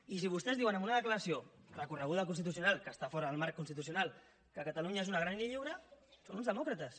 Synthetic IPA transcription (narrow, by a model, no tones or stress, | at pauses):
is̬iβust̪ɛzðiwənəmbunaðəkləɾəsiorəkurəɣ̞uðəkunst̪it̪usiunalkəːst̪afɔɾəðəlˠmaɾkːunst̪it̪us̬iunal | kəkat̪aluɲaezunaɣɾanliʎiwɾəsonunzðəmɔkɾət̪əs